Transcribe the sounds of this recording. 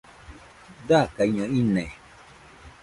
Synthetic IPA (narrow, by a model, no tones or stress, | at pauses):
d̪akaiɲõinẽ